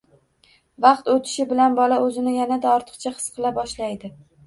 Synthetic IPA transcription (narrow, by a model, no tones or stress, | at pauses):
vɑqt̪ot̪ʰɪ̥ʃɪbɪlanbɒlaʔɵzɪnɪjanad̪aɒɾt̪ʰɨ̥qt͡ʃʰaχɨ̥sqʰɨlˠabɒʃlajd̪ɪ